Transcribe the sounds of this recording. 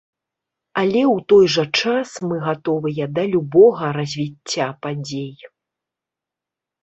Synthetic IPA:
alʲɛwt̪ɔjʐɐt͡ʂasmɨɣat̪ɔvɨjɐd̪ɐlʲubɔɣɐɾɐzʲvʲit͡sʲːapad͡zʲej

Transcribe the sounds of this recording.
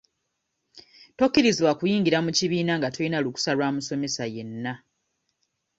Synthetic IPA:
to̞kːiɾiziβwakujiːŋɡiɾamuciβiːnaŋɡatoinaluku̥salwaːmuso̞me̞saje̞nːa

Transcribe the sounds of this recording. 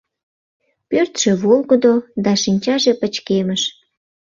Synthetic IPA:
pørt̪ʃeβolɣəd̪od̪ɑʃinʲt͡ɕɑʒepət͡ɕkeməʃ

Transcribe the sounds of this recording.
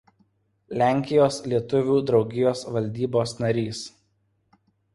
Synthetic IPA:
lʲæˑŋʲkʲɪjoːslʲiɛt̪ʊʋʲuːd̪ɾɒʊɡʲɪjoːsʋɐlʲd̪ʲiːboːsnɐɾʲiːs

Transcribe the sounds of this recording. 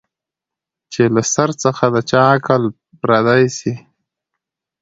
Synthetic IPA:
t͡ʃelasaɾt͡səxad̪ət͡ʃɑkəl | pɾad̪ajsi

